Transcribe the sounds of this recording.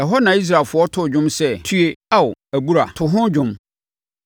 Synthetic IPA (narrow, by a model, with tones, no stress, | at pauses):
ɛ˨ɦɔ˦nã˨i˦s̬ɾa˨lfʊ˨˦ɔ˦tʰʊ˦˨d͡ʑᶣʊ̃˦msɛ˦˨tʰu˦e˦a˦˨wʊ˨æ˨bu˦ɾa˨tʰʊ˨ɦʊ̃˦d͡ʑᶣʊ̃˦m